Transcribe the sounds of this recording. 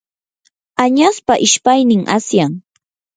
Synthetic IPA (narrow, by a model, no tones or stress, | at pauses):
aɲaspaʔɪʃpajnɪŋa̰sjaŋ